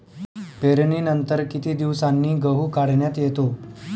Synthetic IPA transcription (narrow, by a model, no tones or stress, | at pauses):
peɾɳiːnənt̪əɾkit̪iːd̪iʋsanːiːɡəɦuːkaɽɳjat̪jet̪o